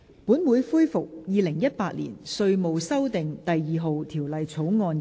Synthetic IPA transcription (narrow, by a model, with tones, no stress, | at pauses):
puː˨˥nmuː˨˧jfuː˥jfʊ˨k̚jiː˨˧lɪ˨˩ŋjɐ˥t̚paː˧t̚lḭː˨˩nsɵ˧ɥmo˨wsɐ˥wt̪ɪ˨ŋt̪ɐ˨jjiː˨ɦo˨wt̪ʰiː˨˩wlɐ˨jt͡sʰo˨˥wŋɔː˧n